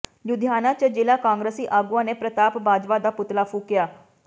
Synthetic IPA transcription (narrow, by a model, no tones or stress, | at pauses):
jʊd̪ʱjaːnãːt͡ʃəd͡ʒeːlaːkãːŋɡɾəsiːʔaːɡuːãːneːpɾət̪aːpbaːd͡ʒʋaːd̪aːpʊt̪laːpʰuːkɪjaː